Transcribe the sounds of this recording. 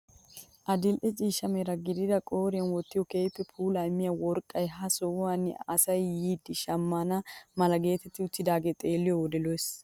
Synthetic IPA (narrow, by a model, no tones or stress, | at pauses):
ʔɐd̪ɪlʔɛt͡ʃʼiːʃɐmɛɾɐɡɪd̪ɪd̪ɐkʼo̞ːɾɪjɐnwɔt̪ːɪjɔkeːpːɛpʰuːlɐjmːɪjɐwɔɾkʼːɐjɦɐsɔʊwanːɪ̰ɐsɐjːiːd̪ɪʃɐmːaːnɐmɐlɐɡe̞ːt̪ɛt̪ːɪʊt͡ʃːɪd̪aːɡet̪ʼe̞ːlːɪjɔwɔd̪ɛlojs